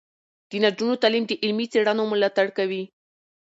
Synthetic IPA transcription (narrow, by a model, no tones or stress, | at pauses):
d̪̥ənad͡ʒunot̪alimd̪əʔɪlmit͡seɽanomʊlat̪aɽkawi